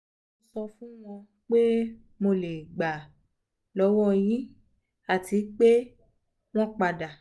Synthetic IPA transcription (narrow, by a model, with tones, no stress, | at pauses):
o˧sɔ˧fũ˦w̃ɔ̃˧ | k͡pe˦ | mo˧le˨ɡ͡ba˨ | lɔ˨˦wɔ˦j̃ĩ˦ | a˨ti˨˦k͡pe˦ | w̃ɔ̃˦k͡pa˧˨da˨